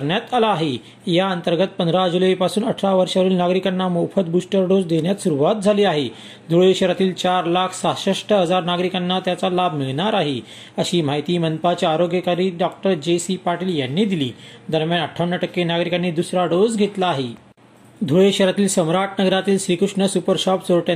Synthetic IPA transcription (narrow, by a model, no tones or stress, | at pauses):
kəɾɳjat̪alaːɦe | jaənt̪əɾɡət̪̚pənd̪ʱɾad͡ʑuləipasuːnəʈʰɾaʋəɾʂaʋəɾiːlnaɡɾikanːamofʰət̪̚busʈəɾɖod͡zd̪eɳjat̪suɾuʋat̪̚d͡zʱaliːaɦe | d̪ʱuɭeɕəɾat̪iːlt͡ɕaɾlakʰsaɕeʂʈəɦəd͡zaɾnaɡɾikanːat̪jat͡salabʱmiɭɳ̃aɾaɦe | əɕiːm̤aɦjt̪iːmənpat͡ɕaaɾoɡjəkaɾiːɖɔk̚ʈəɾd͡ʑesipaʈiːljanːiːd̪ilḭːd̪əɾmjanəʈʰːaʋɳːəʈəkːenaɡɾikanːiːd̪usɾaɖod͡zɡʱet̪laːɦe | d̪ʱuɭeɕəɾat̪iːlsəmɾaʈ̚ʰnəɡɾat̪iːlɕɾikɾukʂɳəsupəɾɕɔpsoɭʈa